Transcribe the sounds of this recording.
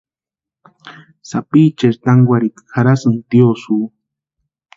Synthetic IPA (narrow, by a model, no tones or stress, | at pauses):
sapiːt͡ʃeɾt̪aŋɡʷaɾikxaɾasɨnt̪josuː